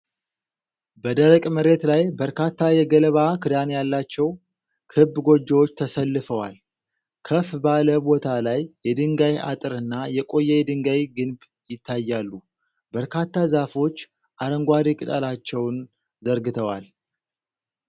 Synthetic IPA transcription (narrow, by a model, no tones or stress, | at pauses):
bəd̪əɾəkʼməɾe̞t̪lajbəɾkat̪ːajɛɡələβakʰɨd̪anjalːat͡ʃːɛw | kʰɨbːɡo̞d͡ʒːɛwo̞t͡ʃːt̪ʰəsəlːɨfəwa̰l | kʰəfbaləbo̞t̪ʰalajːɛd̪ɨŋɡaja̰t̪ʼɨɾɨnːajɛkʼo̞jːɛjɛd̪ɨŋɡajɡɨnb | jɪt̪ʰːajːalːu | bəɾkʰat̪ːazafo̞t͡ʃː | ʔaɾəŋɡʷaɾikʼɨt̪ʼəlat͡ʃːɛwn | zəɾɡɨt̪ʰəwal